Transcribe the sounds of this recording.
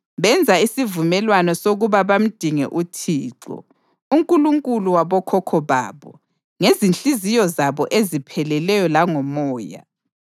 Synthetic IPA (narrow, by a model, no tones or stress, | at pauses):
βɛnd͡zʱaisivumɛlwanɔsoɣuβaβam̩d̥ʱiŋɛ̰ʔutʰiːǁɔ̰ | uŋkʼuluŋkʼuluwaβɔkʰɔkʰɔβa̰ːβɔ̰ | ŋezint͡ɬizijɔzaβɔʔezipʰɛlɛlɛjɔlaŋɔmɔːja̰